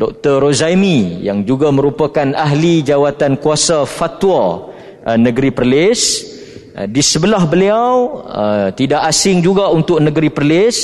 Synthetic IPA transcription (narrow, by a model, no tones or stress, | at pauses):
dɔk̚t̪əɾozaimijaŋd͡ʒuɡamə̃ɾupakanaɦlid͡ʒawat̪ankuasafat̪wa | nəɡəɾipərlɪs | disəbəlahbəliawət̪idaʔasɪŋd͡ʒuɡaunt̪ʊk̚nəɡəɾipərlɪs